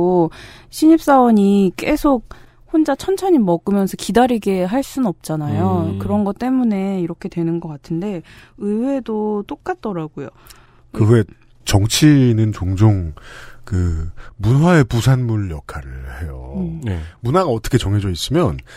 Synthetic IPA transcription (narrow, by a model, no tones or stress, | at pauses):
oɕʰiɲip̚s͈awʌɲik͈e̞sʰok̚ | hond͡ʑat͡ɕʰʌnt͡ɕʰʌɲimʌɡɯmjʌnsʰʌkidaɾiɡe̞ɦaɭs͈unʌp̚t͡ɕ͈anajokɯɾʌnɡʌt͈e̞mune̞iɾʌkʰe̞dwe̞nɯnɡʌk͈atʰɯnde̞ɯwe̞dot͈ok̚k͈at̚t͈ʌɾaɡojo | kɯwe̞ | t͡ɕʌŋt͡ɕʰinɯnt͡ɕoŋd͡ʑoŋkɯmunwae̞pusʰanmunjʌkʰaɾɯɭhe̞jonemunaɡaʌt͈ʰʌ̥kʰet͡ɕoŋɦed͡ʑʌis͈ɯmjʌn